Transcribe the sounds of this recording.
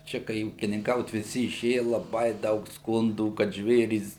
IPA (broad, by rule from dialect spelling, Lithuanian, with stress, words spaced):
ˈt͡ʃʲɛ kɐɪ uːkʲɪnʲɪŋˈkɐʊt ʋʲɪˈsʲɪ ɪˈʃʲeːjɛ lˠɐˈbɐɪ ˈdɐʊk ˈskʊnduː kɐt ˈʒʲʋʲeːrʲiːs